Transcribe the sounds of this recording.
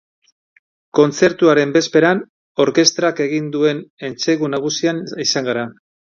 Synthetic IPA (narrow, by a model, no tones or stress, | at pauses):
ko̞nt͡se̞ɾt̪uaɾe̞mbe̞spe̞ɾan | o̞ɾke̞st̪ɾake̞ɣ̞ind̪ue̞ne̞nt͡se̞ɣunaɣ̞usianisaŋɡaɾa